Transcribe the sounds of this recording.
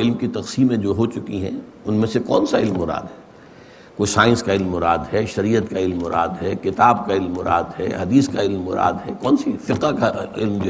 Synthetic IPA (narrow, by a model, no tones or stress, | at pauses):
ɪlmkit̪ɐqsiːmẽd͡ʒoːɦot͡ʃʊkiɦɛ̰̃ | ʊnmẽsekɔːnsaɪlmːʊɾa̰ːd̪ɦɛː | koːisaːɪ̃nskaɪlmːʊɾaːd̪ɦɛːʃɐɾiːət̪kaɪlmːʊɾʔa̰ːd̪ɦɛːkɪt̪aːb̚kaɪlmːʊɾa̰ːd̪ɦɛːɦɐd̪iːskaɪlmːʊɾa̰ːd̪ɦɛkɔːnsifɪqakaɪ̰lmd͡ʒo